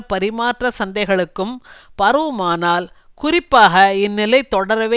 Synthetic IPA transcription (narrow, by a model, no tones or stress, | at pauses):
pɐɾɪmaːʈrɐsɐnd̪ɐɪɣɐɭɯkːɯmpɐɾɯmaːnaːl | kʊrɪpːaːɣɐɪnːɪlɐɪt̪ːɔɽɐɾɐʋeː